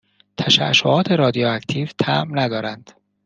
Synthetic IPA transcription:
t̪ʰæʃæ̰ʃoʔɒːt̪ʰe̞ɾɒːd̪ijɒæcʰt̪ʰiːvt̪ʰæmnæd̪ɒːɾænd̪̥

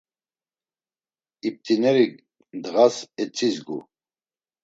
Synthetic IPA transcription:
ip̚t̪ʼinɛɾi | d̪ɣasɛt͡sʼizɡṵ

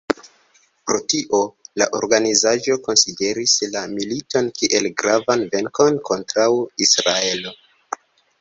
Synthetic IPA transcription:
pɾo̞tiʔo̞la̰ʔo̞̰ɾɡanizaʒo̞ko̞nside̞ɾislamilito̞nkiʔe̞lɡɾavanve̞ŋko̞nkʰo̞ntɾawisɾae̞lo̞

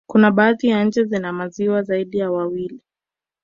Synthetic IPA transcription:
kunaɓaatijaɲ̩d͡ʒɛzinamaziwazaiɗijawawili

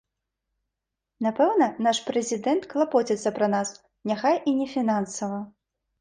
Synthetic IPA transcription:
napɛwnɐnaʂpɾɛzʲid̪ɛnt̪klˠapɔt͡sʲɛt̪sːɐpɾɐnas | nʲaxajʔinʲɛfʲinansɐvɐ

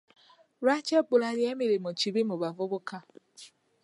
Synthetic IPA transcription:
ɾat͡ʃek͡pʊlaɾjemiɾemot͡ʃibimʊbavʊbʊka

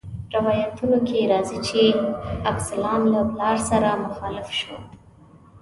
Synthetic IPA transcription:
ɾawɑjat̪unokeɾɑzit͡ʃeabsɪlɑnlaplɑɾsaɾamʊxɑlɪfʃo̰

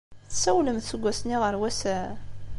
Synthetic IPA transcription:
θsæwləmθsəɡʷːæsniʁəɾwæsæ

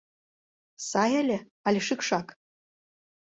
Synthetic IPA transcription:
sajalʲe | alʲeʂɨkʂak

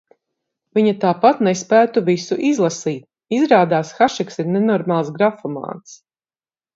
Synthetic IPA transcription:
viɲat̪aːpat̪nespæːt̪uvisuʔizlˠasiːt̪̚ | izɾaːd̪aːsxaʃɛksiɾnenɔɾmaːlˠsɡɾafɔma̰ːt̪s

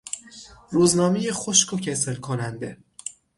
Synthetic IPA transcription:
ruːznɒːmejexoʃkʰocʰeselkʰonænd̪e

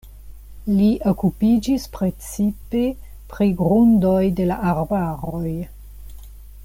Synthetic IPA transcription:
liʔokupid͡ʒispɾe̞t͡sipe̞ | pɾiɡɾundo̞jde̞laʔaɾbaɾo̞j

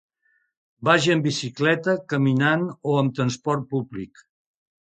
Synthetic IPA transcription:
baʒəmbisiklɛt̪əkəminanoəmt̪ɾənspɔrt̪̚publik

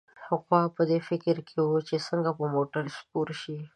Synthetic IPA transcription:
haqwɑpəd̪efɪkɾkʰewut͡ʃesəŋɡapəmoʈəɾspuɾʃi

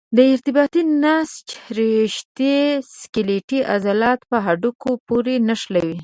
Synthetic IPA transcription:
d̪əɪɾt̪ɪbɑt̪inast͡ʃhɾeʃt̪eskɪleʈiʔa̰zalɑt̪pəɦaɖukopoɾenaʂlawi

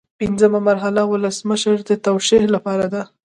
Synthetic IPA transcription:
pinzəmamaɾɦalawʊləsməʃəɾd̪ət̪awʃehlapɑɾad̪a

